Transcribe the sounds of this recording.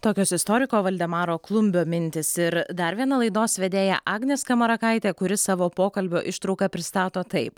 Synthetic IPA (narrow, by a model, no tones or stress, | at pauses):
t̪oːkʲoːsɪst̪oːɾʲɪkoːʋɐlʲd̪ʲɛmɑːɾoːklˠʊmʲbʲoːmʲɪnʲt̪ʲɪsɪɾd̪ɐɾʋʲiɛnɐlˠɐɪd̪oːsʋʲɛd̪ʲeːjɛ̰ʔɑːɡnʲeːskɐmɐɾɐkɐɪt̪ʲeːkʊɾʲɪsɑːʋoːpoːkɐlʲbʲoːʔɪʃt̪ɾɒʊkɐpʲɾʲɪst̪ɑːt̪oːt̪ɐɪp